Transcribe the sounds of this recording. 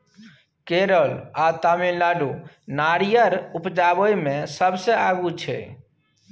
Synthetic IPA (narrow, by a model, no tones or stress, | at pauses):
keɾəlat̪aminlaɖu | naɾijəɾupd͡ʒabəjmesəbseaɡut͡ʃʰɛ̰